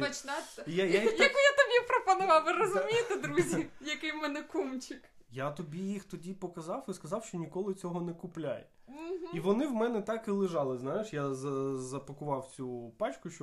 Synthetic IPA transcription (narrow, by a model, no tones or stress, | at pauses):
ɐt͡ʃnajajjijɐkujat̪ɐbʲipɾɔpɔnʊʋɑwʋɪɾɔzʊijt̪ɪd̪ɾuzʲijɐkɪjmɛnɛkumt͡ʃʲɪk | jat̪ɔbʲijixt̪ɔdʲipɔkɐzɑwiskɐzɑwʃt͡ʃɔnʲikɔlˠɪt͡sʲɔɦɔnɛkʊplʲa̰j̩ | ɦiʋɔnɪwmɛnɛt̪ɑkɪlˠɪʒɑlˠɪznɑjɪʃjazɐzɐpɐkʊʋɑwt͡sʲupɑt͡ʃkʊʃt͡ʃɔ